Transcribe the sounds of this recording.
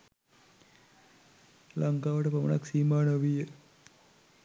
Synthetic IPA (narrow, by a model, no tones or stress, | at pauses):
laŋkaːʋəʈəpamənaksiːmaːnəʋijə